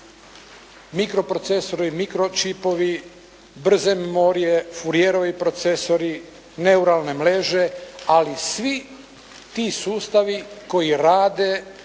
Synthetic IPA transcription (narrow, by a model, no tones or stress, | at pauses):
mikɾo̞pɾo̞t̪seso̞ɾimikɾo̞t͡ʃipo̞ʋi | br̩zemmoɾijefuɾijeɾoʋipɾot̪se̞so̞ɾi | ne̞uɾalˠne̞mleːʒe̞alisʋi | t̪isuːst̪aʋiko̞jiɾaːd̪e̞